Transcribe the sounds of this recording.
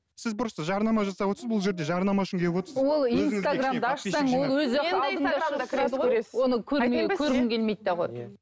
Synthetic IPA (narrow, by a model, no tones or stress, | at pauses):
sɪzbʊɾəst̪əʒɑɾnɑmɑʒɑsɑpwo̞t̪əɾsəbʊlˠʒe̞ɾd̪e̞ʒɑɾnɑmɑʊʃəŋkʲʰe̞pwot̪əɾswo̞lˠint̪aɡramd̪əɑʃɑŋwo̞lˠwɵzʒɑt̪əɑlˠd̪əɴdd̪ɑkʰɾed̪oɾeswo̞nəkʲʰɵɾkʲʰɵɾmɪŋkʲe̞lmejt̪̚ːeʁo̞̰j